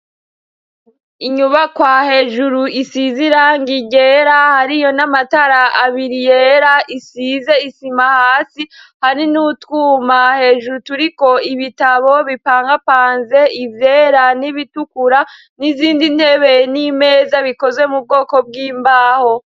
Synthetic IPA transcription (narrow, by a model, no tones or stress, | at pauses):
iɲuβakwaːhe̞ːʒuɾuisiziɾaŋɡiɟe̞ɾahaɾijo̞namataɾaʔaβiɾijeɾaʔisize̞isimahaːsihaɾinutwuːmahe̞ːʒuɾutuɾiko̞iβitaβo̞βipaːŋɡapaːnze̞ivje̞ːɾaniβitukuɾa | niziːndin̥he̞βe̞nime̞ːzaβiko̞zwe̞mub̚ɡo̞ːko̞b̚ɡiːmbaːho̞